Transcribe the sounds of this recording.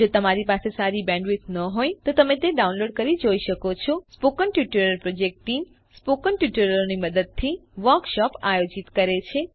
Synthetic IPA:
d͡ʒot̪əmaɾipasesaɾibɛ̃ɳɖʋit̪nəɦojt̪ot̪əmẽt̪eɖaunloɖ̚kəɾid͡ʒoiʃəkot͡ʃʰɔspokənʈjuʈəɾəɾpɾod͡ʒek̚ʈim | spokəɳʈjiʈəɾəɾoniməd̪əd̪̚t̪ʰiʋəɾkʃɔpajod͡ʒit̪kəɾet͡ʃʰe

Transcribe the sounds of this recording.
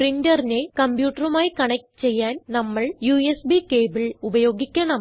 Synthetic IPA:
prindɐrine̞kɐmbjuːʈːɐrumaːjikɐɳɐk̚ʈɨ̥t͡ɕe̞jːaːnnɐmːɐɭjuːesbike̞ːbɐɭubɐjo̞ːɡikʲːɐɳɐm

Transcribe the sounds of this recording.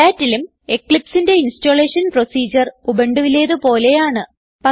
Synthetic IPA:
aːtːilum | e̞kːɭipsinde̞insto̞ːɭeːʂɐnpro̞siːd͡ʑɐrubeɳɖuʋile̞ːðɨpo̞ːle̞jaːɳɨ | pɐ

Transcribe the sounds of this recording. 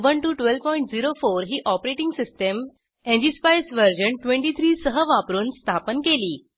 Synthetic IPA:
ʋənʈuʈʋelʋpɔjiɳʈ̚d͡ziɾofoɾɦiːʔɔpɾeʈĩŋɡsisʈəm | ẽɲd͡ʑispajsʋəɾd͡ʑəɳʈʋẽɳʈit̪ʰɾiːsəɦəʋapɾuːnst̪ʰapənkeliː

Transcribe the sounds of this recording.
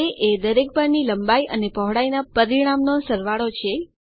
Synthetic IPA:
eʔed̪əɾek̚bəɾniləmbaiʔənepɔɦɽainapəɾiɽ̃amnosəɾʋaɭot͡ʃʰe

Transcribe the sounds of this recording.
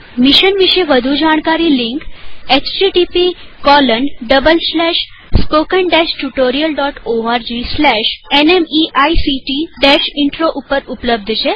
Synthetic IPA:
miɕənʋiɕeʋəd̪ʱuːd͡ʑaɳ̃kaɾiːliŋket͡ɕʈiʈipikɔlənɖəbəlslɛɕ | spokənɖɛɕʈuʈoɾiəlɖɔʈoaɾd͡ʑislɛɕenemiʔajsiʈiɖɛɕiɳʈɾoʔupəɾupləb̚d̪ʱəɕe

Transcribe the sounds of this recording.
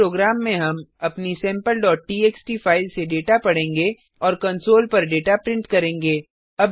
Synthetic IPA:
ɾoːɡɾaːmːẽɦɐmɐpnisɛ̃ːmpəlɖɔːʈ̚ːiːeːksʈifʰaːɪʋseɖeːʈapɐɽ̤ẽːŋɡe | ɔːɾkɐ̃nsoːlpɐɾɖeːʈapɾɪ̃ɳʈkɐɾẽːŋɡeː | ɐb

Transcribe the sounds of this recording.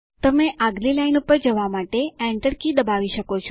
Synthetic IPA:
t̪əmeʔaɡlilainupəɾd͡ʒəʋamaʈeɛ̃ɳʈəɾkid̪əbaʋiʃəkot͡ʃʰ

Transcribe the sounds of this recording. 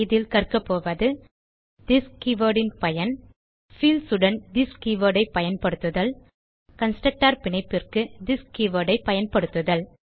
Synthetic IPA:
ɪðɪlkɐrkɐpːoːʋɐðɯ | d̪ɪskiʋɐːɽɪnpɐjɐn | fiːlsɯɽɐnd̪ɪskːiːʋɐɾɽɐɪpːɐjɐnpɐɽɯt̪ːɯðɐl | kɐnsʈɐʈːaːɾpɪnɐɪpːɪrkɯd̪ɪskːiʋɐːɽɐɪpːɐjɐnpɐɽɯt̪ːɯðɐl

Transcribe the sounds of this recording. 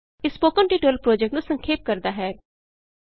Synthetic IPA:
ɪspoːkə̃nʈiːʈoːlpɾoːd͡ʒɛk̚ʈnũsə̃ŋkʰeːp̚kəɾd̪aːɦɛː

